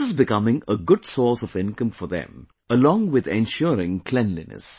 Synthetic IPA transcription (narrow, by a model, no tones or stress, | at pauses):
ɪzbɪkʌmɪ̃ŋəɡʊd̥sɔːsɔvɪ̃nkə̃mfɔðɛ̰̃m | əlɔ̃ŋwɪd̪ɛ̃nʃʊɾɪ̃ŋkʰl̥ɛ̃nlḭnə̰s